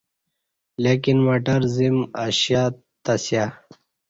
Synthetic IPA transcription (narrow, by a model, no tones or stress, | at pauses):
lekinmoʈɐɾzimaɕja | t̪asja